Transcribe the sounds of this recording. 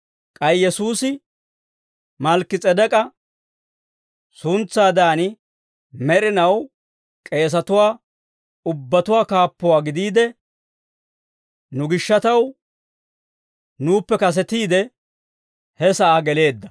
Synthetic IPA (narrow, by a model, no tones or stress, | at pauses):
kʼɐjjɛsuːsɪ | mɐlkːɪt͡sʼɛd̪ɛkʼɐ | sʊnt͡sːaːd̪aːnɪ | mɛɾɪnɐw | kʼe̞ːs̬ɐt̪ʊwaː | ʊbːɐt̪ʊwaːkaːpːɔwaːɡɪd̪iːd̪ɛ | nʊɡɪʃːɐt̪ɐw | nuːpːɛkɐs̬ɛt̪iːd̪ɛ | hɛsɐʔaːɡɛle̞ːd̪ːɐ